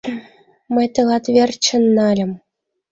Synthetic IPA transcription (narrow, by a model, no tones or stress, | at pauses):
mɘ̆jt̪ɤ̆lˠɑt̪ʋʲerʲt͡ɕɘ̆nːɑlʲɘ̆m